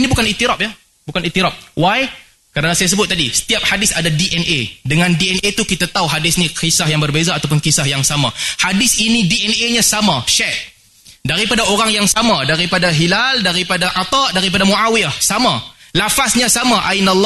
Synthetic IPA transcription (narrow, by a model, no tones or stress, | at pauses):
inibukaniʔt̪iɾap̚ja | bukanit̪ːiɾap̚waj | kəɾanasajas̬əbʊt̪̚ːadisə̥t̪iap̚hadɪsadadiʔɛnʔedəŋãndiɛnʔet̪ukit̪at̪auɦadɪsnĩkisahjaŋbərbezaːt̪awp̬ʊnkisahjaŋsamahadɪsinidiʔɛneɲãsamaʃɛt̪̚ | daɾipadaoɾaŋjaŋsamãdaɾipadaɦilaldaɾipadaʔat̪ɑʔdaɾip̬adamũʔawiahsamalafasɲãsamãʔainalː